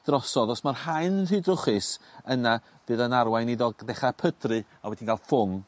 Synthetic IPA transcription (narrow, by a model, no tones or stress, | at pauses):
d̥rɔsɔðɔsmarhajnrɨdrʊχɨsəna | v̥ɨːðənarwajniðɔɡðɛχapʰədrɨ | awɛdinɡalˠfʊŋ